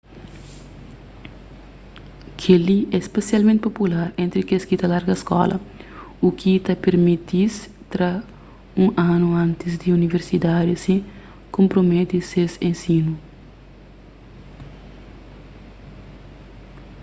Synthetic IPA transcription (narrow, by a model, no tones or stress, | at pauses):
kʰeliɛspesjalmẽnt̪ɪpopulaɾẽnt̪ɾikeskit̪ɐlaɾɡɐskɔ̰lɐ̰ukʰit̪ɐpeɾmit̪is | t̪ɾɐ | ũʔanuãnt̪izd̪iuniveɾsid̪ad̪isi | kõmpɾomet̪isesẽnsinu